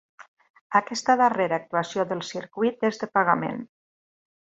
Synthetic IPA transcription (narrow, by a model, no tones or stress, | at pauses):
akɛst̪əðəreɾaːk̚t̪uasjoðəlˠsiɾkwit̪ezðəpaɣamḛn